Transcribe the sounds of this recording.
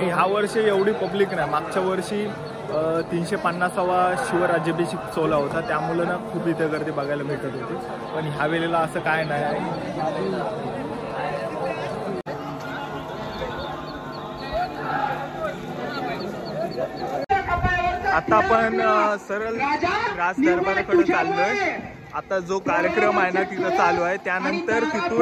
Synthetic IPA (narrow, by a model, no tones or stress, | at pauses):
aɽĩɦjaʋəɾɕeeʋɽiːpəbliːknajmaɡ̚t͡ɕaʋəɾʂiː | t̪iːnɕepənːasəʋaɕiʋəɾad͡ʑəbeɕiːkt͡solaɦot̪at̪jamulənakʰuːbit̪əɡəɾt̪ibaɡajlameʈ̪ət̪ɦot̪i | pəɳɦjaʋelelaəsəːkajnajaɦe | at̪apəɳsəɾəlkɾasd̪əɾməɾakəɽət͡salːə | at̪ad͡zokaɾjəkɾəmajnaʈʰik̪ət͡saluaɦet̪janənt̪əɾt̪iuː